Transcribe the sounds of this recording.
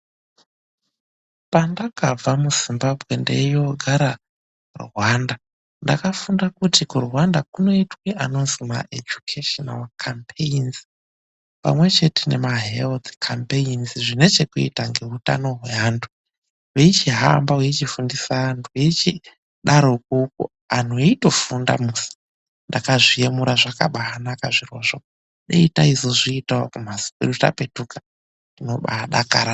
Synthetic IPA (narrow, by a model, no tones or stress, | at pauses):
pandakab͡vamuz̥imbabʱɣe̞ndejo̞ɡʱaɾa | rwaːnda | nda̰kafundakutikurwandakuno̞itweʔano̞nzima̰ʔḛd͡ʒukʰeʃona̰lkʰampʰeinz | pa̰mwe̞t͡ʃe̞tene̞maɦelt̪kʰampeinziʐine̞t͡ʃe̞kuḭtaŋɡe̞ɦuta̰no̞ɦwe̞aːntʰu̥ | weit͡ʃiɦa̰mbawet͡ʃifundisaːntʰuwet͡ʃi | ɗaɾok̚ukṵ | an̤oeito̞funda̰musi̥ | ndakaʐie̞muɾaʐaka̰ɓaanakaʐiroʐo | ɗeitaizoʐiːtaokum̤asi̥puɾuta̰pe̞tukḁ | dino̞ɓa̰ɗakaɾa